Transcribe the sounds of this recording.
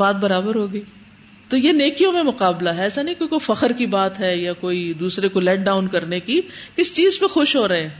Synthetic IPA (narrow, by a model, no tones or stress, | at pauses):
baːt̪̚bɐɾaːbəɾɦoːɡɐiː | t̪ojeneːkijõmẽmʊqaːblaɦɛːsanɐɦĩkoːikoːifɐxəɾkibaːt̪ɦɛjakoːid̪uːsɾekolɛːʈ̚ɖaːʊnkɐɾneki | kɪst͡ʃiːzpẽxʊʃɦoːɾɐɦẽː